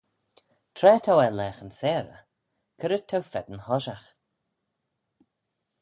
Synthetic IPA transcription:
t̪ʰɾɛːt̪ʰawɛlɛːxənsɛːɾə̰ | kʰəɾət̪ʰːawfɛd̪ənhɔʒax

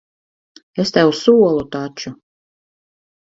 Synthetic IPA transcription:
est̪æwsuɔlˠut̪at͡ʃu

